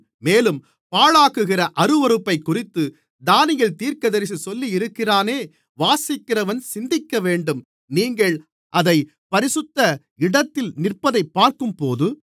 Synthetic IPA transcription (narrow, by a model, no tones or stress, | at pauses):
meːlɯm | paːɻaːɣɯɣɪrɐʔɐɾɯʋɐɾɯpːɐɪkːʊrɪt̪ːɯ | d̪aːnɪjɐɭt̪iːɾkɐðɐɾɪs̬isɔlːijɪɾɯkːɪraːneː | ʋaːsɪkːɪrɐʋɐnsɪnd̪ɪkːɐʋeːɳɖɯm | niːŋɡɐɭ | ʔɐðɐɪ | pɐɾɪsɯt̪ːɐ | ɪɽɐt̪ːɪlnɪrpɐðɐɪpːaːɾkɯmpoːðɯ